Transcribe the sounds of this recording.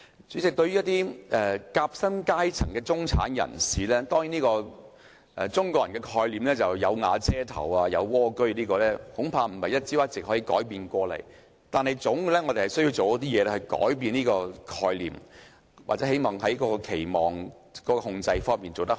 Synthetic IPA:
t͡ʃy˨˥t͡sɪ˨k̚t̪ɵ˧ɥy˥t̪iː˥ʔɛː˨˩kaː˧p̚sɐ˥mkaː˥jt͡sʰɐ˨˩ŋkɛː˧t͡sʊ˥ŋt͡sʰa̰ː˨˥njɐ̰˨˩nsiː˨lɛː˥t̪ɔː˥ŋjiː˨˥niː˥kɔː˧ | ʔɛ˧t͡sʊ˥ŋkʷɔː˧jɐ˨nŋkɛ˧kʰɔː˧jliː˨˩mlɛː˥t͡sɐ˨wjɐ˨˧wŋaː˨˧t͡sɛː˥t̪ʰɐ̰˨˩waː˧jɐ˨˧wwɔː˥kɵ˥ɥniː˥kɔː˧lɛː˥hʊ˨˥ŋpʰaː˧m̩˨˩mɐ˨˩jɐ˥t̚t͡siː˥waː˥t̚t͡sɪ˨k̚hɔː˨˥jiː˨˧kɔ̰ː˨˥jpiː˧nkʷɔː˧lɐ̰˨˩j | t̪aː˨nhɐ˨˩jt͡sʊ˨˥ŋ˧˥lɛː˥ŋɔ˨˧t̪e˨˩hɐ˨˩jsɵ˥ji˧wt͡so˨wjɔ˦˥t̪iː˥jɛː˨˧lɛ˥hɵ˨˧ɥkɔ̰ː˨˥jpiː˧niː˥kɔː˧kʰɔː˧jlḭː˨˩m | waː˨k̚t͡sɛ˨˥he˨˥jmɔː˨˩ŋɦɐ˨˥jkɔː˧˥kɔː˧kʰe˨˩jmɔː˨˩ŋ | kɔː˨˥kɔː˧hʊ˧ŋt͡sɐ˧jfɔː˥ŋmiː˨nt͡so˨wt̪ɐ˥kh

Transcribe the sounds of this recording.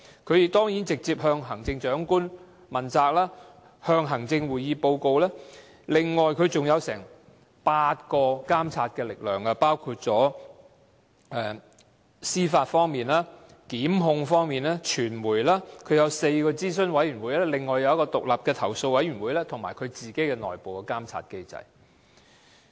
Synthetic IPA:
kʰɵ˨˧ɥjt̪ɔː˥ŋji˨˥nt͡sɪ˨k̚t͡siː˧p̚hœː˧ŋɦɐ˨˩ŋt͡sɪ˧ŋt͡ʃœː˨˥ŋkuː˥n | mɐ˨˩nt͡saː˧k̚laː˥ | hœː˧ŋɦɐ˨˩ŋt͡sɪ˧ŋwuː˨˩jjiː˨˧po˧wko˧wlɛː˥ | lɪ˨ŋːɔː˨jkʰɵ˨˧ɥt͡sʊ˨ŋjɐ˨˧wsɛ̰ː˨˩ŋ | paː˧t̚kɔː˧kaː˥mt͡sʰaː˧t̚kɛː˧lɪ˨k̚lœː˨˩ŋɐː˧paː˥wkʰuː˧t̚t͡sɔː˨˥ | ɛ˧ | siː˥faː˧tfɔː˥ŋmiː˨nlaː˥ | kiː˨˥mɦʊ˧ŋfɔː˥ŋmiː˨naː˥t͡ʃʰyː˨˩nmuː˨˩jlaː˥kʰɵ˧ɥjɐ˨˧wse˧jkɔː˧t͡siː˥s̬ɵ˥nwɐ˨˥jɥyː˨˩nwuː˨˧jlɛː˥lɪ˨ŋːɔː˨˩jɐ˨˧wjɐ˥kɔː˧t̪ʊ˨k̚lɐ˨p̚kɛː˧t̪ʰɐ˨˩wso˧wɐ˨˥jɥyː˨˩nwuː˨˧jlɛː˥t̪ʰʊ˨˩ŋmaː˨˩jkʰɵ˨˧ɥt͡siː˨˩ke˥jkɛ˧nɔ̰ː˨jpo˨wkɔ˧kaː˥mt͡sʰa̰ː˧t̚ke˥jt͡sɐ̰˧j

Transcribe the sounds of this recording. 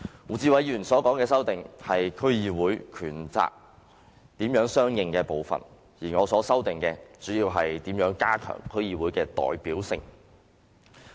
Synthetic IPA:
wuː˨˩t͡siː˧wɐ˨˧jjyː˨˩nsɔː˨˥kɔː˨˥ŋkɛː˧sɐ˥wt̪ɪ˨ŋhɐ˨jkʰɵ˥ɥjiː˧wuː˨˥jkʰyː˨˩nt͡sa̰ː˨k̚ | t̪iː˨˥mjœː˨˥ŋsœː˥ŋjɪ˨ŋkɛː˧po˨˧wfɐ̰˨˩n | jiː˨˩ŋɔː˨˧sɔː˨˥sɐ˥wt̪ɪ˨ŋkɛː˧t͡syː˨˥jiː˧wɦɐ˨jt̪iː˨˥mjœː˨˥ŋkaː˥kʰœ̰ː˨˩ŋkʰɵ˥ɥjiː˧wuː˨˥jkɛː˧t̪ɔ̰ː˨jpiː˨˥wsɪ̰˧ŋ

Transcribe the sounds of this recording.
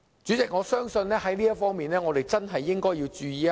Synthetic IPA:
t͡syː˨˥t͡sɪ˨k̚ŋɔː˨˧sœː˥ŋsɵ˧nlɛː˥ɦɐ˨˥jliː˥jɐ˥t̚fɔː˥ŋmiː˨˩nɛː˥ŋɔː˨˧ɾe˨jt͡sɐ˥nɦɐ˨jːɪ˥ŋkɔː˥jiː˧wt͡ʃyː˨˧jiː˨˧

